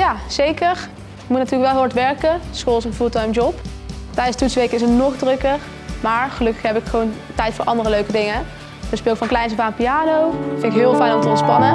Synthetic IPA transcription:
jaːz̥ejkəɹ | mutnatyːləkʋɛlˠɦɪaɹtʋɛɹkəsolˠsənfuːlˠtɑjmd͡ʒɔp | tɛjdəsətutsʋejkəɪsənɔχdrɵkər | maːɹχəlɵkəxɦɛpɪkxəʋown | tɛjtfʊːɹʔɑndərəløɥkədɪŋə | ʋəspɪːɪkfɑnklɛjnsəvaːnpijaːnowfɪnɪkɦɪːlˠfɛjnɔmtəɔntspɑnə

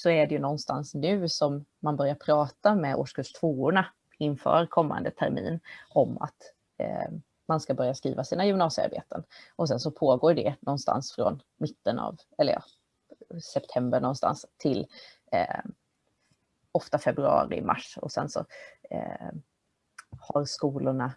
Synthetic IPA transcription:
sɔæɖɛjɵnɔnːst̪ansnʉ̟ːsɔmːanbœɾjaɾpʰɾɑːt̪amɛo̰ːʂkɵlʂt̪ʰvoːʊɳa | ɪnfœ̰ːɾkʰɔmːa̰nd̪ət̪ʰæɾmḭːnɔma̰t̪ | manskabœɾjaskɾḭːvasiːnajɵmnɑːsɪa̰ɾbḛːt̪ʰənʔɔs̬ɛnsɔpʰoːɡoːɾɖɛnɔnst̪ʰa̰nsfɾɔ̰n | mɪt̪ːənɑ̰ːv | ɛlːəɾjɑ̰ː | sɛpt̪ʰɛmbəɾɳɔnst̪a̰nst̪ʰɪlː | ɔft̪afɛbɾɵɑ̰ːɾɪmʔa̰ʂɔ̰sɛ̰nsɔ̰ | haɾskuːlʊɳa

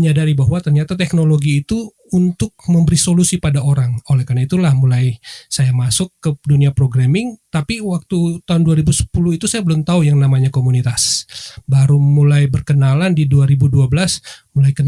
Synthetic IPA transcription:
məɲadaɾibaɦwat̪ərɲat̪at̪ɛknoloɡiːt̪u | unt̪ʊk̚məmbəɾisolusipadaoɾaŋolɛhkarnait̪ulahmulajsajamasʊkːəduniapɾoɡɾamɪŋt̪apiwak̚t̪ut̪aɦʊnduaɾibusə̥pulʊhit̪usajabəlʊmt̪aujaŋnamaɲakomunit̪asbaɾumulajbərkənalandiduaɾibuduabəlasmulajkən

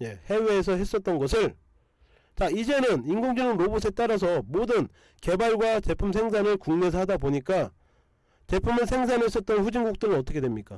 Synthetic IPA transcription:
je̞he̞we̞ːs̬ʰʌɦe̞s͈ʌt̚t͈ʌnɡʌsʰɯɭ | t͡ɕaid͡ʑe̞nɯninɡoŋd͡ʑinɯnɾobus̬ʰet͈aɾas̬ʰʌmodɯn | ke̞baɭɡwat͡ɕe̞pʰumsʰe̞ŋs̬ʰanɯɭkuŋne̞s̬ʰʌɦadaboɲik͈a | t͡ɕe̞pʰumɯɭsʰe̞ŋsʰanɦe̞s͈ʌt̚t͈ʌnɸud͡ʑinɡuk̚t͈ɯɾɯnʌt͈ʌkʰe̞dwemɲik͈a

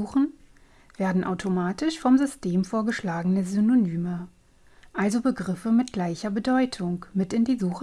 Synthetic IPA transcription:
uːχn̩ | v̥eːɐdn̩ʔaʊtʰomaːtɪʃfɔmzʏstʰeːmfoːɐɡəʃlaːɡənəzynonyːmə | ʔalzobəɡʁɪfəmɪt̚ɡ̥laɪçɐbədɔʏtʰʊŋkmɪtɪndiːzuːχə

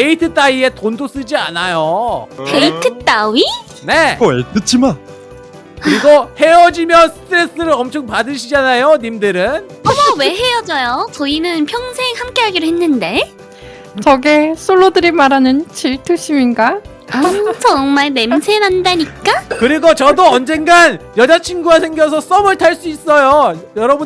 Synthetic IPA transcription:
eitʰɯt͈aie̞tondʰos͈ɯd͡ʑia̰najopʰe̞itʰɯt͈awi | ne̞etʰɯt͡ɕʰima | kɯiɡʌhe̞ʌd͡ʑimjʌnsʰɯ̥tʰɯɾe̞s͈ɯɾɯɾʌmt͡ɕʰoŋpadɯɕʰid͡ʑanajonimdɯɾɯn | ʌmʌwe̞ɦe̞jʌd͡ʑajot͡ɕʌinɯnpʰjʌŋsʰe̞ŋhamk͈e̞ɦaɡiɾoɦe̞nːɯnde̞ | t͡ɕʌɡes͈ʰoɭːodɯɾimaɾanɯnt͡ɕʰiɭtʰuɕ͈ʰiminɡa | amsʰʌːŋmaɭme̞msʰe̞nɦandaɲik͈akɯɾiɡot͡ɕʌdoʌnd͡ʑe̞nɡanjʌd͡ʑat͡ɕʰinɡuɡasʰe̞ŋɡjʌsʰʌs͈ʌmɯɭtʰaɭs͈uis͈ʌjojʌɾʌbu

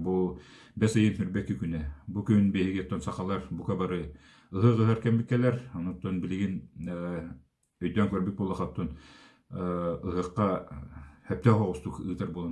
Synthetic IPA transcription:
bu | bæsɤjennɵɾbækikʉnæbukɵnbihɘ̆ɡɘ̆jot̪ːonsɑqɑlˠɑɾbukɑbɑɾɤ | ɤ̆ɦɤqɤ̆ɦɑɾkæmbit̪̚kælæɾonŏt̪ːonbɘ̆lɘ̆ɡɘn | ɵ̆jd̪æŋkæɾbik̚bulˠɑχɑt̪ːun | ɤ̆ɦɤ̆qːɑ | hæp̚t̪æhɑʁust̪ukɯɣd̪ɑɾbulˠɑ

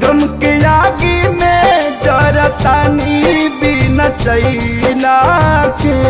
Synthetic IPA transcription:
ɡɾəmkejaːɡimed͡ʒɐɾat̪aːnibinɐt͡ʃɐilaːke

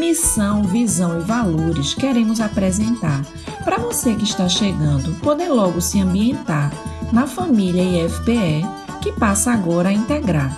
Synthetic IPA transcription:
misɐ̃w̃vizɐ̃w̃ɪvaloɾɪʃkɛɾẽmʊzapɾɛzẽnt̪aɾ | pɾɐvosekɪɪʃt̪aʃeɡɐ̃nd̪ʊpod̪ẽlɔɡʊsɪɐ̃mbiẽnt̪aɾnɐfɐ̃miʎɐiɛfi̥peɛ | kɪpasɐaɡɔɾɐaĩt̪eɡɾaɾ

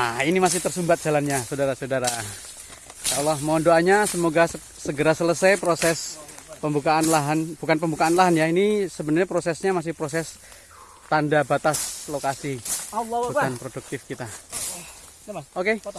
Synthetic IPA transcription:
ainimas̬ɪht̪ərsumbat̪̚dd͡ʒ̥alanɲasadaɾasaudaɾa | salɔhmandoaɲasəmoɡas | səɡəɾasələsajpɾosɛspəmbukaanlaɦanbukanpəmbukaanlaɦanjainisəbənəɾrɲapɾosɛsɲamas̬ɪhpɾos̬ɛs | t̪andabat̪aslokasi | bukanpɾoduk̚t̪ɪfkit̪a | oke

